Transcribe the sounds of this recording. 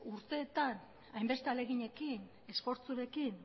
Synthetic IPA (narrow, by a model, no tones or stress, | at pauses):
uɾt̪e̞ːt̪an | ajmbe̞st̪e̞ale̞ɣ̞iɲe̞kin | e̞sfo̞ɾt͡suɾe̞kin